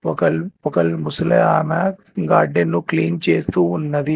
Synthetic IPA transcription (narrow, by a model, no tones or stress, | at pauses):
ɔkɐlɔkɐlmuslɐaːma | ɡaːɾɖenːukliːnt͡ʃeːst̪uːnːɐd̪i